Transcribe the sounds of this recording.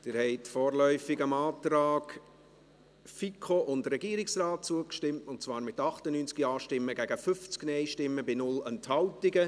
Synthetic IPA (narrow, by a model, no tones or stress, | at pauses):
d̥ɪːɾhɛɪtfɔːɾlœʏfɪɡəmɑːtɾaːk | fikʰoʔʊndɾɛɡiːəɾɪksraːt̚t͡suəkʃtɪmtʊnt̚t͡svɑːɾmɪtɑχtənyːnt͡skiɑːʃtɪmːəɡæɡəfʏft͡sknɛɪʃtɪmːəbɪnʊlənthɑltɪɡə